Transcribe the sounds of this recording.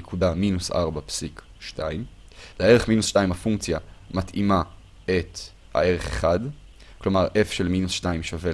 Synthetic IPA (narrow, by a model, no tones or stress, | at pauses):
ekudaminusa̰ʁbapsik | ʃtaimlee̞ʁeχminusʃtaimhafuŋkt͡sjamatima | et̪ | ha̰e̞ʁe̞χḛχad | klo̞maʁʔe̞fʃe̞lminusʃtaimʃove